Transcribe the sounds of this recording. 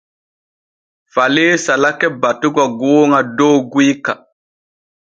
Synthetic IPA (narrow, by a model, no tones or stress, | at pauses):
falisalakɛbatuɡaɡoŋadoɡika